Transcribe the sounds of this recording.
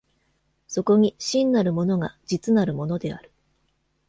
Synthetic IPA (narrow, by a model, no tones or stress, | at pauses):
so̞ko̞ɲ̟iɕĩnːaɾɯ̟mo̞no̞ɡad͡ʑit͡sɨnaɾɯ̟mo̞no̞d̪e̞a̰ɾɯ̟̥